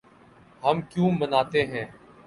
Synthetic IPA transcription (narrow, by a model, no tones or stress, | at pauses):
ɦəmkjũːmənaːt̪eːɦɛ̃ː